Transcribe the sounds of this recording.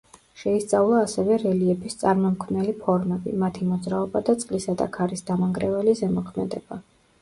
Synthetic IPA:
ʃɛist̪sʼavlˠaːsɛvɛɾɛliɛbist̪sʼaɾmɔmkʰvnɛlipʰɔɾmɛbḭmat̪ʰimɔd̪zɾaɔbad̪at̪sʼqʼlisad̪a̰kʰaɾisd̪amaŋɡɾɛvɛlizɛmɔkʰmɛd̪ɛb̥a

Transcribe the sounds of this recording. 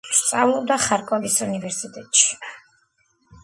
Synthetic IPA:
st̪sʼavlˠɔbd̪aχaɾkʼɔɡisunivɛɾsit̪ʼɛt̪ʼʃi̥

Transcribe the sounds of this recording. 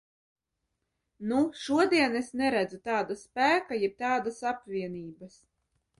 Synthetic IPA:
nuʃuɔd̪iɛnesnɛɾæd̪zut̪aːd̪aspæːkajɛp̚t̪aːd̪asapvʲiɛniːbɐs

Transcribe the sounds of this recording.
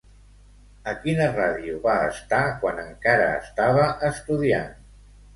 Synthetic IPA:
əkinəraðiuβaəst̪akwanəŋkaɾə̰ːst̪aβəʔəst̪uðian

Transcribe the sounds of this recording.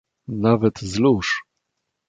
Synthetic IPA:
navɛt̪zluʂ

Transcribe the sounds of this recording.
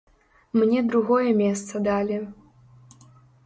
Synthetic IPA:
mnʲɛd̪ɾuɣɔjɛmʲest̪sɐd̪alʲi

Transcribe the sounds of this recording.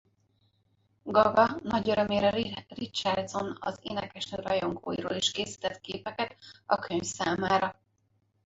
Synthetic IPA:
ɡɒɡɒnɒɟøɾø̞meːɾɛrit͡ʃard̪zo̞nɒ̰zḛːnɛkɛʃnøːɾɒjo̞ŋɡo̰ːjḭɾo̰ːliʃkeːsi̥ːt̪ɛt̪keːpɛkɛt̪ɒkʰøɲfsaːmaːɾɒ

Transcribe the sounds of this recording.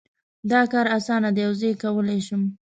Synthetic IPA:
d̪ɑkɑɾasɑnad̪əjawzejkawəlajʃum

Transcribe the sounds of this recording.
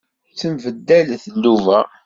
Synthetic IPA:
t͡səmvəd̪ːælθəlːuvæ

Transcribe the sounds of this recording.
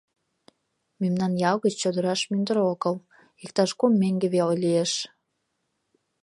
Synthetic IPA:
memnɑnjɑwɣət͡ɕt͡ɕod̪əɾɑʃmynd̪əɾokəl | ik̚t̪ɑʃkumːeŋɡeβeojlieʃ

